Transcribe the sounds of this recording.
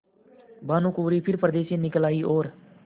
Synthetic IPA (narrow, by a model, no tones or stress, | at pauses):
baːnũːkuːɾipʰɪɾpɾəd̪eːʃẽnɪkəlaːiʔoːɾ